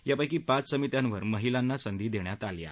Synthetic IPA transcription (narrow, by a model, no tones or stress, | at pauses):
japajkiːpat͡ssəmit̪jãnʋəɾməɦilanːasənd̪ʱiːd̪eɳjat̪alja̰